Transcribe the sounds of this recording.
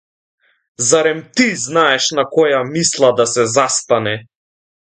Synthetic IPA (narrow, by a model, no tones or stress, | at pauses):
zaɾɛmt̪iznaɛʃnakɔjamislˠad̪asɛzast̪anɛ